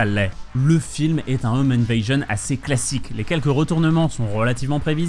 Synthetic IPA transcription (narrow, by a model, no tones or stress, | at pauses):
alɛləfilmɛt̪ɛ̃omɛnvajʒɔna̰seklasiklekʲɛlkəʁət̪uʁnəmɑ̃sɔ̃ʁəlat̪ivmɑ̃pχeviz